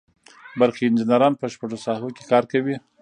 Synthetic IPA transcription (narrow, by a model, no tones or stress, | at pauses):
baɾxeɪnd͡ʒɪnaɾɑnpəʃpaʐosɑhoke̥kɑɾkawi